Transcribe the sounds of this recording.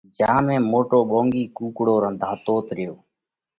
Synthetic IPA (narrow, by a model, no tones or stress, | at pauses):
d͡ʒãːmẽːmoːʈoːɓõːŋɡiːkuːkɽoːɾənd̪ʱaːt̪oːt̪ɾɪjoː